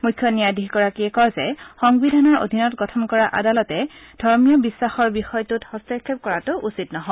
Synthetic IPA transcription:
mujkʰːjɔnijadiɦɡɔɹakiɛkɔjzɛxɔŋbidʱanɔɹo̰dʱinɔtɡɔtʰɔmkɔɹaʔa̰dalɔtɛd̥ʱɔɹmijɔbisːaxɔɹbixɔjtuthɔstɛɹkʰːep̚kɔɹatʊʔusitnɔɦɔ

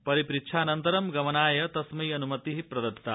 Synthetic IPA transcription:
pɐɾipɾitʃʰaːnɐnt̪ɐɾɐmɡɐmɐnaːjɐt̪ɐsmɐjɐnumɐt̪iɦipɾɐd̪ɐt̪ːa

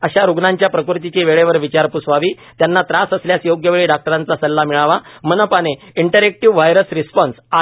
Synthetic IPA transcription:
əɕaɾuɡnaɲt͡ɕjapɾəkuɾt̪it͡ɕeʋeɭeʋəɾʋit͡ɕaɾpusʋaʋiː | t̪janːat̪ɾasəsljasjoɡjəʋeɭiːɖak̚ʈəɾãnt͡sasəlːamiɭaʋamənəpaneiɳʈəɾek̚ʈiʋʋajɾəsɾispɔnsa

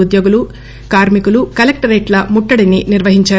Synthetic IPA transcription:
ud̪joːɡulu | kaːɾmikulukɐlɐk̚ʈɐɾeːʈlɐmuʈːɐɽininiɾʋɐɦiɲt͡ʃaː

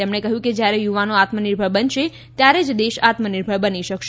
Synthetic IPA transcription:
emɳekəɦjũked͡ʒjaɾejuʋanoat̪məniɾbʱəɭbənʃe | t̪jaɾed͡ʒd̪eʃat̪məniɾbʱəɭbəniʃəkʃ

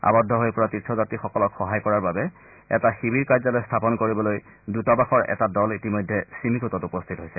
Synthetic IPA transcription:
a̰bɔdʱːɔɦojpɔɹatitʰːɔzatixɔkɔlɔkxɔɦajkɔɹaɹbabɛ | ɛ̰taxibiɹkajzalojstʰapɔnkoɹibɔloj | dutɔbaxɔɹɛ̰tadɔlitimɔjdʱːɛsimikʰutɔtupɔst̪ʰitɦojsɛ

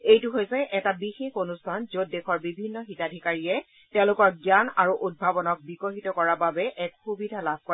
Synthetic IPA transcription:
ejtuɦojsɛʔɛtabixexonustʰanzot̚dexɔɹbibʱinːɔxitadʱikaɹiɛ | tɛ̃ʊ̃lʊkɔɹɡjanaɹuʔud̚bʱabɔnɔk̚bikoɦitɔkɔɹababɛʔɛkxubidʱalab̚ʱkɔ

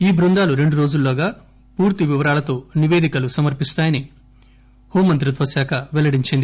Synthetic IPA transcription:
iːbɾund̪aːluɾe̞ɳɖuɾoːd͡ʒulːoːɡaː | puːɾt̪iʋiʋɐɾaːlɐt̪o̞ːniʋeːd̪ikɐlusɐmɐɾpist̪aːjɐni | hoːmɐnt̪ɾut̪ʋɐsjaːkʰɐʋɛlɐɽiɲt͡ʃind̪i

